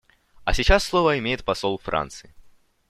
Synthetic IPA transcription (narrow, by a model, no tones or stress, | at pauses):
ɐsʲɪt͡ɕasːlˠovəɪmʲejɪt̪̚pɐsolˠfɾa̰nt̪sɨɪ